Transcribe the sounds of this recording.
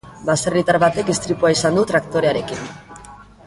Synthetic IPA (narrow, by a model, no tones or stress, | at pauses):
baserit̪aɾβat̪e̞k̪ist̪ɾipuaisand̪ut̪ɾakt̪o̞ɾe̞aɾe̞kin